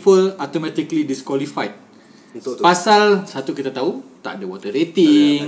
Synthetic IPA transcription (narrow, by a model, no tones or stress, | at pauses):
pəlat̪omɛ̃t̪iklidiskwɔlifajt̪̚ | pasalsat̪ukit̪at̪aut̪a̰ʔdəwɔt̪ərɾet̪iŋ